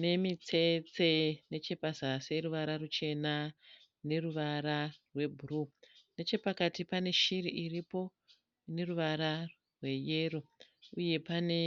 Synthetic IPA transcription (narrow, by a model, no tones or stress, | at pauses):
ne̞mit͡se̞t͡se̞ne̞t͡ʃe̞pazaseruʋaɾarut͡ʃe̞na | ne̞ruʋaɾarwe̞bʱurune̞t͡ʃe̞pakatipane̞ʃiriʔiripo̞ | ne̞ruʋaɾa | rwe̞je̞ro̞ | uje̞pane̞